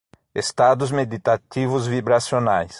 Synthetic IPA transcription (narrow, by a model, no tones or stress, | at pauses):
est̪ad̪ʊzmed̪it̪at̪ivʊzvibɾasjonajs